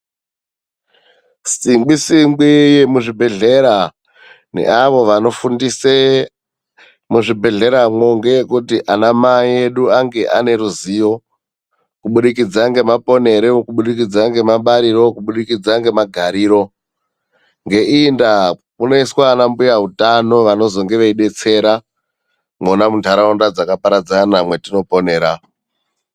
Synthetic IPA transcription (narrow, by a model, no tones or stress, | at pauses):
siŋɡ͡bisiŋɡije̞muʐibʱe̞ɮe̞ɾa | nḛʔaʋo̞ʋano̞fundise | muʐibʱe̞ɮe̞ɾamo̞ŋɡe̞kutiʔanamae̞ɗuaŋɡe̞ʔa̰ne̞ɾuzijo̞ | kuɓuɗikid͡zaŋɡe̞mapo̞ne̞ɾekuɓuɗik̬id͡zaŋɡe̞maɓaɾiɾo̞kuɓuɗikid͡zaŋɡe̞maɡʱaɾiːɾo̞ | ŋɡe̞ʔinda | muno̞iswaːnambujaɦutano̞ʋano̞zo̞ŋɡe̞ʋeiɓe̞t͡se̞ɾa | monamuntaɾaundad͡zakapaɾad͡zanamwe̞tino̞po̞ne̞ːɾa